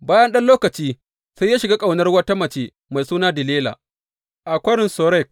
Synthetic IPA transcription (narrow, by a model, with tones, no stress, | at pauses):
baː˦jɐ˦nɗɐ˦nloː˦kɐ˨t͡ʃiː˦ | sa˦jːaː˦ʃɪ˨ɡaː˦kʼa˨wnɐ˦rwɐ˦ta˦mɐ˨t͡ʃeː˦ | ma˨jsuː˦naː˦dɪ˨leː˦la̰˨ | ʔa˨kʷɐ˦ɾɪ˨nso˨ɾɛ˦˨k̚